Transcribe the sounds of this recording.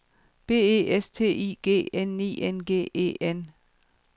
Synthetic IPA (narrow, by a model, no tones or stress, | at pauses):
b̥e̝̰ːe̝̰ːest͡sʰe̝̰ːḭːɡ̥e̝̰ːenːḭːʔenɡ̥e̝̰ːe̝̰ːen